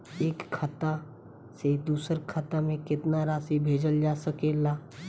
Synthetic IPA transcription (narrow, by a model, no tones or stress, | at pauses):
eːkʰːət̪a | sed̪uːsəɾkʰət̪amẽkɪt̪naɾaːsibʱeːd͡ʒəld͡ʒaːsəkeːlaː